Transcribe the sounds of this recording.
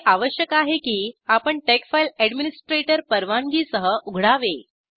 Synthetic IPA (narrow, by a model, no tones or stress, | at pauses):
ʔaʋəɕjəkaɦekiːapəɳʈɛkfajlɛɽminisʈɾeʈəɾpəɾʋaŋɡiːsəɦəʔuɡʱɽaʋe